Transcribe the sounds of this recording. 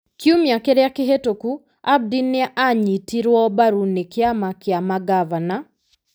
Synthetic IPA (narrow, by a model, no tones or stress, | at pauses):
kiumjakeɾɛakɪɦetoku | ab̚dinɪaʔaɲitiɾwɔbaɾunɪkɪamakɪamaɡavana